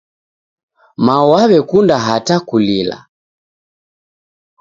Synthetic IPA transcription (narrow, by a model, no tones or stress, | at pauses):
mawaβɛkundaɦatakulila̰